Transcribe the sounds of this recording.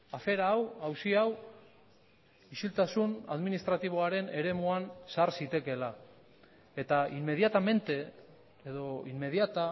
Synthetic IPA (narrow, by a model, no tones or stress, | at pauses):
afe̞ɾaːwawsiaw | isilt̪asuna̰ðminist̪ɾat̪iβ̞oaɾe̞ne̞ɾe̞muansaɾsit̪e̞ke̞la | e̞t̪aimːe̞ðjat̪ame̞nt̪e̞ | eðo̞imːe̞ðiat̪a